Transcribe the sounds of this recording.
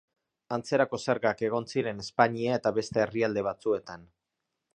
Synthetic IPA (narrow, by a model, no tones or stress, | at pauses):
ant͡se̞ɾako̞seɾɣake̞ɣ̞o̞nsiɾe̞ne̞spaɲiae̞t̪aβe̞st̪e̞ːriald̪e̞β̞at͡sue̞t̪an